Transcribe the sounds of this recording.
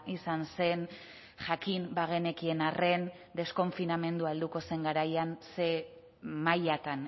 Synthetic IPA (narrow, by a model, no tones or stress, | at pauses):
isanse̞n | ʝakimbaɣe̞ne̞kie̞nare̞n | d̪e̞sko̞ɱfiname̞nd̪uald̪uko̞se̞ŋɡaɾajanse̞ | majat̪an